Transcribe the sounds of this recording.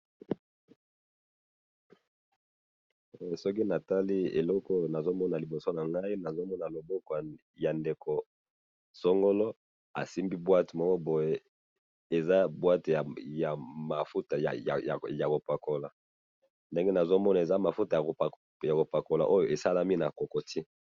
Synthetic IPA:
e˨sɔ˦k̬i˦na˨ta˦li˦ḛ˨lɔ˦kɔ˦na˨zo˦mɔ˦na˨li˨bo˨so˦na˨ŋɡa˦i˦na˨zo˦mɔ˦na˨lo˨bɔ˦ko˨ | ja˨nde˨kʰo˨ | so˦ŋɡo˦lɔ˦ | a̰˨si˦mbi˦bwa˦te˨mɔ˦ŋɔ˦bo˨je˦ | e˨za˦bwa˦ta˨ja˨ma˨fu˦ta˨j̰a̰˨a̰˨ja˨ko˨pa˨ko˨la˨ | nde˦ŋɡe˦na˨zo˦mɔ˦na˨e˨za˦ma˨fu˦ta˨ja˨ | ja˨ko˨pa˨ko˨la̰˨ʔo˦jo˨ʔe˨sa˦la˦mi˦na˨ko˨ko˨tʰi˦

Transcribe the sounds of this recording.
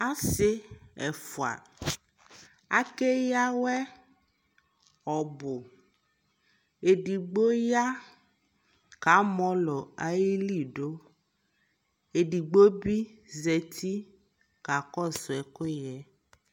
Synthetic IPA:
a˦sɪ˦ɛ˨fo˨a̰˨ | a̰˦ke˦ja˦wɛ˦ | ɔ˨bo˨ | e˨ɖi˨ɡ͡bo˦ja˦ | ka˨˦mɔ̃˦lɔ˨a˨ji˦li˦˨ɖo˦ | e˨ɖi˨ɡ͡bo˦bi˦zɛ˨t̪ʰi˦ | ka˨kɔ˦˨sɔ˨ɛ˨ko˦jɛ˦

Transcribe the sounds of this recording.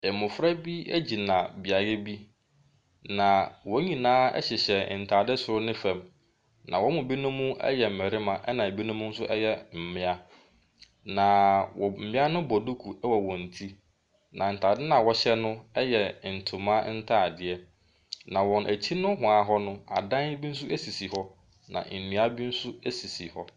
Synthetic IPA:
ɛ˨mʊ̃˨fɾa˦bi˦æ̰˦d͡ʑi˨nã˨bɪ˨a˨jɛ˦bi˦ | nã˨wɔ˨˦ɲĩ˨nãː˦ɛ̰˦ɕɪ˨ɕɛ˨n̩˨tʰaː˨dɪ˦sʊ˨ɾʊ˦nɪ̃˦fɛ̃˨m | nʔã̰˨wɔ˦mʊ̃˨bi˦nʊ̃˦mũ˦ɛ̰˦jɛ˨m̩˨mɛ˨ɾɪ˦mã˨ʔɛ˦nã˨bi˦nʊ̃˦mʊ̃˦n̩˦sʊ˦ʔɛ˦jɛ˦m̩˨mɪ̃˦a˦ | nã˨wɔ˨m̩˨mɪ̃˦a˦nʊ̃˦bɔ˨du˦kʰu˨ɛ˦wɔ˨wɔ̃˨n̩˨tʰi˦ | nã˨n̩˨tʰaː˨dɪ˦nã˨wɔ˨ɕɛ˦nʊ̃˦ɛ˦jɛ˨n̩˨tʰʊ˨mã˦n̩˦tʰaː˦˨dɪ˨ɛ˦ | nã˨wɔ̃˨nʔæ˨t͡ɕʰi˦nʊ̃˦ɦʊ̃˨a˨ɦɔ˦nʊ̃˦a̰˨dã˦n˦bi˦n̩˦s̬ʊ˦ʔæ˦si˨si˨hɔ˦ | nã̰˨n̩˨nũ˨a˦bi˦n̩˦sʊ˦æ˦si˨si˨hɔ˦

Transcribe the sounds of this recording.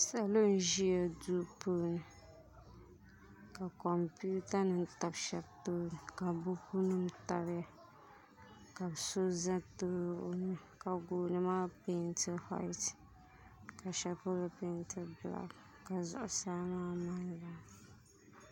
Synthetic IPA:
sa˨lo˦n̩˦ʒi˦ja˨du˦pʰoː˦nɨ˨ | ka˨kɔ˨mpi˦u˦ta˦nɨ˨m˦ta˨bʃɛ˦btoː˦nɨ˨ka˨bu˦ku˦nɨ˦m˦ta˨bja˦ | ka˨bso˦za˦to˦˨nɨ˦ | ka˨ɡoː˨nɨ˦maː˦pe˦ntɨ˦ha̰˦ɪ˦t | ka˨ʃɛ˦po˦la˦pe˦ntɨ˦bla̰˦k | ka˨zʊ̰˨ʔʊ˨saː˦maː˦ma˦nla˨

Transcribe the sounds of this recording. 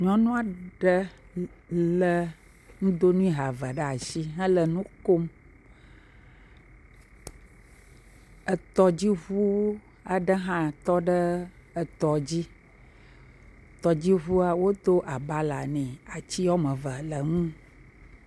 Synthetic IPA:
ɲɔ̃˦nũ˦a˨ɖə˦ | lə˦ | ŋũ˦d̪o˦nũ˦ĩ˦ɦa˨va˨ɖə˦a˨ʃi˦ɦə̃˦lə˨nũ˦ko˦m | ə˨t̪ɔ˨d͡ʑi˦βu˦ | a˨ɖə˦ɦã˦t̪ɔ˦ɖə˦ə˨t̪ɔ˨d͡ʑi˦ | t̪ɔ˨d͡ʑi˦ɦu˦a˦wo˦d̪o˦ʔa˨ba˦la˨nɛ̃˨a˨t͡ɕi˦ɔ˦mə̃˨və˨lə˨ŋũ˦

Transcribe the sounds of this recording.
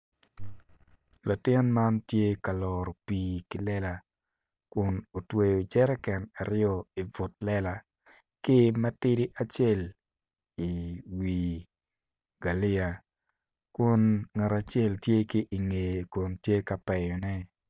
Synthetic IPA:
la˨tɪ˦nma˦ntje˦ka˨lɔ˨ɾo˨piː˨kɪ˨lɛ˦la˨ | kʊ˨no˨twe˨jo˨d͡ʒɛ˦ɾɛ˦kɛ˨na˨ɾɪjɔ˦i˨vʊ˨t̚lɛ˦la˨ | kɪ˦mɛ˦tɪ˦ɾi˦ʔa˨t͡ʃe˦˨l | i˨wi˨ | ɡa˨lɪ˦a˨ | kʊ˦nŋa˨ɾa˨t͡ʃe˦ltje˦ki˦ʔi˨ŋe˨jkʊ˨ntje˦ka˨pɛ˨ɲɔ˨nɛ˦

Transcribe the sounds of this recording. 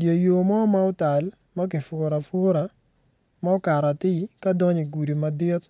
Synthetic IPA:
dje˨jo˨mɔ˦ma˦ʊ˦ta˨l | ma˦k̬ɪ˨fʊ˨ɾa˨fʊ˦ɾa˨ | ma˦ʊ˦ka˨ɾa˨t̪ɪ˦ka˦dɔ˦ɲi˨ɡu˨di˨ma˨dɪ˦t̪̚

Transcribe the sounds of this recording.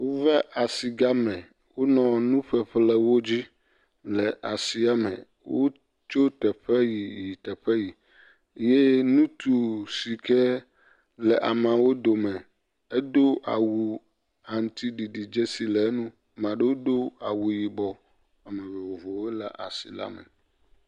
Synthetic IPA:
wo˦vɛ˦ʔa˨si˨ɡa˦mɛ̃˨ | wo˦nɔ̃˨nũ˦ɸɛ˦ɸlɛ˦wo˦d͡ʑi˦ | lɛ˨ʔa˨si˨˦a˨mɛ̰̃˨ | wo˦ | t͡ʃo˦t̪ɛ˨ɸɛ˦ji˨ji˨t̪ɛ˨ɸɛ˦ji˨˦ | je˦nũ˦t̪ʰu˨si˨kɛ˦ | lɛ˨ʔa˨mã˨wo˦d̪o˨mɛ̃˨ | ɛ˦d̪o˦ʔa̰˨wu˨ | a˨ŋ˦t̪i˦ɖi˨ɖi˨d͡ʒe˦si˨lɛ˨˦nũ˦ | mã˨ɖe˦wo˦d̪o˦a˨wu˨ji˨bɔ˨ | a˨mɛ̃˨ve˨wo˨vo˨we˦la̰˨ʔa̰˨sḭ˨la̰˦mɛ̰˨

